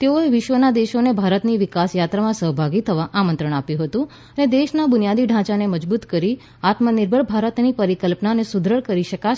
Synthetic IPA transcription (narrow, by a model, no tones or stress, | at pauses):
t̪eoeʋɪʃʋənad̪eʃonebʱaɾət̪niʋɪkasjat̪ɾamãsəɦbʱaɡit̪ʰəʋaʔamə̃nt̪ɾəɽ̃apjũɦət̪ũ | əned̪eʃnabʊnijad̪iɖʱãt͡ʃaneməd͡ʒbut̪kəɾi | at̪mənɪɾbʱəɭbʱaɾət̪nipəɾikəlpnanesud̪ʱɾəɭkəɾiʃəka